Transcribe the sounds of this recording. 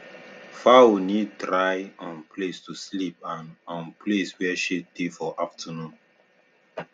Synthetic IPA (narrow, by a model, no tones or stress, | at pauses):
faunitɾajɔ̃nplestuslip̚ãnɔ̃npleswɛʃedefɔʔaftʰənũn